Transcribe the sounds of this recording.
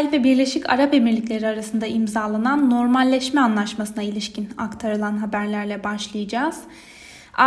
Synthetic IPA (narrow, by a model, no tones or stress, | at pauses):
lʲvɛbiɾlʲe̞ʃicʰa̰ɾape̞miɾlʲiclʲe̞ɾiaɾasɯnd̪aimzaːlˠananːo̞ɾmalʲːɛʃmɛanlˠaʃmasɯnailʲiʃcina̰kt̪ʰaɾɯlˠanɦabæɾlʲæɾlʲɛbaʃlˠɯjad͡ʒaːz̥ | a